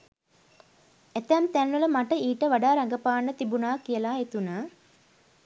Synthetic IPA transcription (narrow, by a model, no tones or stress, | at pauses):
et̪ænt̪ænʋələmaʈəiːʈəʋaɖaːɾaŋɡəpaːnːət̪ibunaːkijəlaːet̪unəː